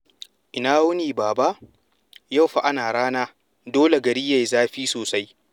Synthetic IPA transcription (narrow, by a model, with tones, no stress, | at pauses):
ʔɪ˨naː˦wʊ˦niː˨baː˨ba˦ʔ | ja˦˨wɸa˨ʔa˦naː˨ɽaː˦naː˦ | doː˦le˨ɡɐ˨ɾɪ˦jːa˨jzaː˦ɸiː˦soː˨sa˦j